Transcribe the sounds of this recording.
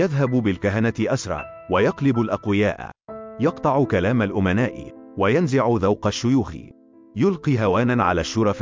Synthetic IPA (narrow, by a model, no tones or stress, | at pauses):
jaðɦabbɪlkaɦanat̪ɪʔasɾˤɑ̰ː | wajɑqlɪbʊlʔaqwɪjaːʔjɑqt̪ˤɑʕukalaːmalʔʊmanaːʔɪ̰wajanzɪʕʊðawqɑʃːʊjuːx | jʊlqiːɦawaːnanʕa̰laːʃːʊɾˤɑf